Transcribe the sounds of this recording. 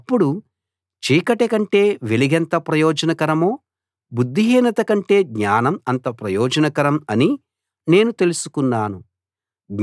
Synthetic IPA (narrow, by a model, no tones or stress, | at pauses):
ɐpːuɽu | t͡ʃiːkɐʈekɐɳʈe̞ːʋe̞liɡɛnt̪ɐpɾɐjɔːd͡ʒɐnɐkɐɾɐmoː | bud̪ːiɦiːnɐt̪ɐkɐɳʈe̞ːɡɲaːnɐmɐnt̪ɐpɾɐjɔːd͡ʒɐnɐkɐɾɐmɐni | ne̞ːnut̪e̞lusu̥kunːaːnu | ɡ